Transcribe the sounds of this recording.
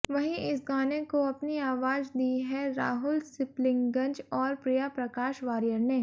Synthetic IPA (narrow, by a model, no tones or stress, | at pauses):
ʋɐɦĩɪs̬ɡaːnekoɐpniaːʋaːd͡ʒd̪iːɦɛɾa̰ːɦʊlsɪplɪ̃ŋɡɡɐ̃ɲd͡ʒɔːɾpɾijapɾɐkaːʃʋaːɾijəɾneː